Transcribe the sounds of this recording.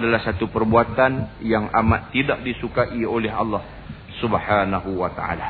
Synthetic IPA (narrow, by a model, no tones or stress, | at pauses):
dalahsat̪upərbuat̪anjaŋamat̪ːidak̚disukaʔiolɛɦɑ̰lːɑh | subħanaɦuwat̪aa̰la